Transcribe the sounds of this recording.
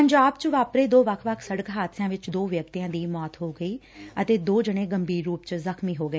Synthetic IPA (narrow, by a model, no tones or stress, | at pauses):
pəɲd͡ʒaːbt͡ʃʋaːpɾeːd̪oːʋəkʰʋəkʰsəɽəkɦaːt̪ʰsjãːʋɪt͡ʃd̪oːʋjək̚t̪ijãːd̪iːmɔːt̪ɦoːɡəiː | ət̪eːd̪oːd͡ʒəɽ̃eːɡəmbʱiːɾːuːpt͡ʃzəxmiːɦoːɡəeː